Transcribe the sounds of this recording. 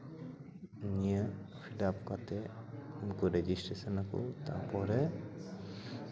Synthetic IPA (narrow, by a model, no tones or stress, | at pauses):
nijə | pʰiɖapkat̪ɛunkuɾed͡ʒisʈɾesənakṵt̪a̰pɔɾɛ